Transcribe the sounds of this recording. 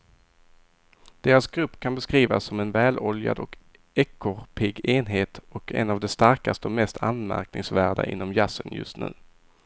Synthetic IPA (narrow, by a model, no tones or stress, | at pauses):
d̪̥eːɾasɡɾɵpːkʰanbɛskɾiːvasːɔmɛnvɛːlɔlja̰d̪ɔk | ɛkʰːʊɾpʰɪɡeːnɦeːt̪ɔkɛ̰navd̪ɛst̪aɾkast̪əɔmɛst̪ʰa̰nmæ̰ɾknɪŋsvæːɖa̰ʔɪ̰nːɔmjasənjɵ̰st̪nʉ̟ː